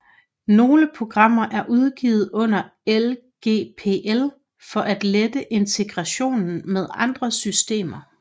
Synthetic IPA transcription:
no̝ːləpʰo̝ɡ̥ʁɑ̈m̰ɐʔæɐʔuð̞ˠɡ̥iːð̞̩ˠɔ̽n̰ɐel | ɡ̥e̝̰ːpʰe̝̰ʔel | fɒ̽ʔæd̥led̥əʔe̝nt͡sʰe̝ɡ̥ʁɑɕo̝̰ːnn̩meðˠɑ̈nd̥ʁɐsysd̥e̝̰ːmɐ

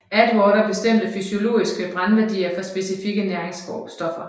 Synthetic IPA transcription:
æd̥wɒːɾɐb̥e̝sd̥em̰d̥əfysio̝lo̝̰ːisɡ̥əb̥ʁanʋæɐd̥ḭːɐfɒ̽sb̥e̝sifiɡ̥ənæɐeŋsɡ̥ɒ̰ːb̥sd̥ɒ̽fɐ

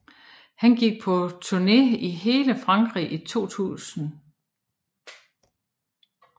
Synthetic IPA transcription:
hænɡ̥iɡ̥̚pʰɒ̽t͡sʰuɐne̝iɦe̝ːləfʁɑ̈ŋɡ̥ʁḭʔit͡sʰo̝̰ːt͡sʰṵːsn̩

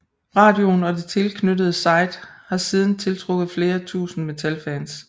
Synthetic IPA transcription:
ʁɑ̈ːd̥jo̝nɒ̽d̥e̝t͡sʰe̝lkʰnødəð̞̩ˠsɑ̈ɪ̰d̥hɑ̈siːð̞ˠn̩t͡sʰe̝lt͡sʰʁɔ̽ɡ̥ð̩ˠfle̝ːɐt͡sʰṵːsn̩me̝t͡sʰælfæːns

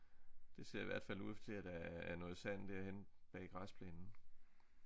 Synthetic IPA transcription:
d̥e̝se̝ɐ̰iʋæɐ̰d̥fæluð̰ˠft͡sʰe̝æd̥ææɐnɔ̽ːð̞̩ˠsæn̰d̥æɐ̰henb̥ɛ̰ːɡ̥ʁɑspʰleːnn̩

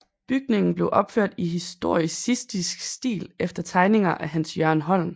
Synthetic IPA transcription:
b̥yɡ̥ne̝ŋn̩b̥le̝ʊʔɒ̽b̥føɐ̰d̥iɦisd̥o̝ɐ̰isisd̥isɡ̥sd̥ḭːlefd̥ɐt͡sʰɑ̈ɪne̝ŋɐʔæɦænsjɶɐnɦɒ̽l̰n

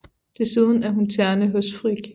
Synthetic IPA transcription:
d̥e̝sið̞ˠən̩æɐɦunt͡sʰæɐnəɦøsfʁiɡ̥

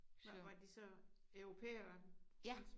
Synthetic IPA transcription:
ʋɑ̈d̥isɒ̽œʊʁo̝pʰḛːɐɐ | s

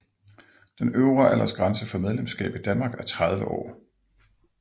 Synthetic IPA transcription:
d̥enøʊʁɐʔelʔɐsɡ̥ʁɑnsəfɒ̽með̞ˠlemsɡ̥ɛ̰ːb̥id̥ænmɑ̈ːɡ̥æɐt͡sʰʁɑðˠʋəʔɒ̰ː

